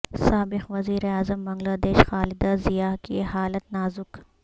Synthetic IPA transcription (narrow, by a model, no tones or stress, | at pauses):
saːbɪqʋɐziːɾeaːzəmbɐ̃ŋɡlaːd̪eːʃxaːlɪd̪azijaːkieɦaːlət̪naːzʊk